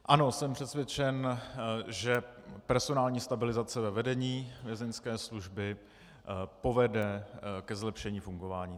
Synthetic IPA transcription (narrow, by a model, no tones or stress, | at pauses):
ʔano̞sɛmpr̝̥ɛt̪svjɛt͡ʃɛn | ʒɛpɛɾso̞naːlɲiːst̪abɪlɪzat͡sɛvɛvɛdɛɲiːvjɛzɛnskɛːsluʒbɪ | po̞vɛdɛkɛzlɛpʃɛɲiːfuŋɡo̞vaːɲiː